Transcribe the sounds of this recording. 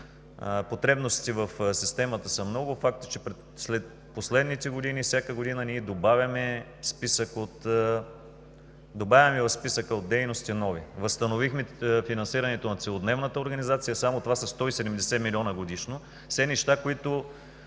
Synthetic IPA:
pot̪ɾɛbnost̪ivəfsist̪ɛmət̪əsəmnɔɡʊfak̚t̪ə̥t͡ʃɛpɾɛ | slɛt̪̚ | poslɛd̪nit̪ɛɡod̪inifsʲjakəɡod̪inəniːd̪obavʲɐmɛ | spisəkot̪ | d̪obavʲɐmɛvɐfspisəkəod̪̚d̪ɛjnost̪inɔvivəst̪ɐnovixmɛfinɐnsiɾɐnɛt̪onɐt̪sɛlˠod̪nɛvnət̪əoɾɡɐnizat̪sijəsamot̪ovasɐst̪ɔisɛd̪ɛmd̪ɛsɛmilʲiɔnəɡod̪iʃno | sɛnɛʃt̪akoit̪ʊ

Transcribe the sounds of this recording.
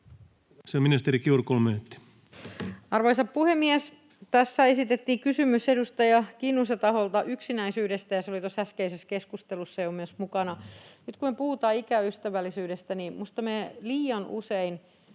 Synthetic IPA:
seminist̪eɾikiurkolment̪ːi̥ | ɑrʋoisɑppuhemːies | t̪æsːæesit̪et̪ːiːkysymysedust̪ɑjɑkinːuset̪ɑholt̪ɑʔyksinæisyːdest̪æjɑseolit̪oshæskeiseskeskust̪elusːejomːesmukɑnɑnyt̪kumepuhut̪ɑːikæyst̪æʋælːisyːdest̪ænimust̪ɑmeliːɑnṵsein

